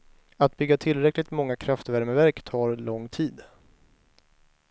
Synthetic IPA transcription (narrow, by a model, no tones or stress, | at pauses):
at̪̚bʏɡːat̪ʰɪlɾɛklɪɡt̪mɔŋːakʰɾaft̪væɾməvæɾkt̪ʰɑːɾlɔŋːt̪ʰiːd̪